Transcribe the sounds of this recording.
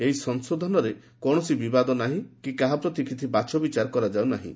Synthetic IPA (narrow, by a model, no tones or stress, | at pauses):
eɦisɔnsod̪ʱɔnɔɾe | kɔɽ̃ɔsibibad̪ɔnaɦĩkikaɦapɾɔt̪ikʰit̪ʰibat͡ʃɔbit͡ʃaɾɔkɔɾad͡ʒawnaɦḭ̃